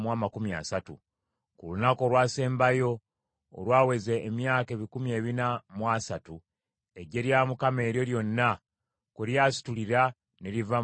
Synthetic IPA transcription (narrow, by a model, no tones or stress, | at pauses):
mwaːmakumia̰satṵ | kulunako̞ːlwaːse̞ːmbajo̞̰ː | lwaːwe̞zeːmjaːke̞ːβikumie̞ːβinamwasatu | e̞ɟe̞ɾjaːmukame̞ːɾjo̞ljo̞nːa | kuɾjaːsi̥tuliɾa | neɾiva